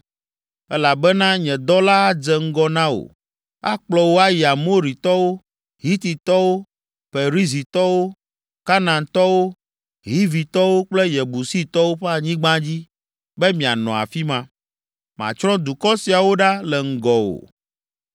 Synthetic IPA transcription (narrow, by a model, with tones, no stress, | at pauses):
ɛ˦la˨bɛ˦nã˦ɲɛ̃˨d̪ɔ˦la˦a˦d͡ʒɛ˨ŋ̩˦ɡɔ˦nã˦o̰˨ | a̰˦k͡plɔ˨wo˦a˦ja˨mo˦ɾi˨t̪ɔ˦wo˦ | ɦi˦t̪i˨t̪ɔ˦wo˦ | ɸe˨ɾi˦zi˨t̪ɔ˦wo˦ | ka˦nã˨nt̪ɔ˦wo˦ | ɦi˦vi˨t̪ɔ˦wo˦k͡plɛ˦jɛ˨bu˨si˦t̪ɔ˦wo˦ɸɛ˦a˨ɲĩ˦ɡ͡bã˦d͡ʑi˦ | bɛ˦mĩ˨a˨nɔ̰̃˨a̰˨fi˦mã˦ | mã̰˨t͡ʃɾɔ̃˦d̪u˨kɔ˦si˨a˨wo˦ɖa˦lɛ˨ŋ̩˨ɡɔ˨o̰˨